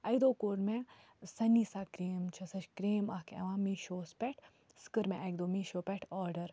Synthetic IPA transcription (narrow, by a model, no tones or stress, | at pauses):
ɐid̪oːkoɾmẽ | sɐnːiːsaːkɾeːmt͡ʃʰɐsɐt͡ʃkɾeːmaːkʰɛ̰ʋãːmiʃoːspʲɛʈʰ | skɨɾmẽʔɐɡd̪oːmiʃoːpʲɛʈʰɔːɾɖəɾ